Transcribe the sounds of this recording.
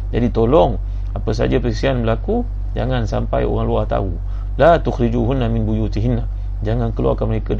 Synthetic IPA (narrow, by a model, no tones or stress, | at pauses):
d͡ʒadit̪olɔŋ | apəs̬a̰d͡ʒapəɾisianməlaku | d͡ʒa̰ŋansa̰mpa̰jo̰ɾaŋluat̪a̰u | lat̪uxɾid͡ʒuɦunːaminbujut̪iɦinːa | d͡ʒaŋankəloa̰kanməɾeka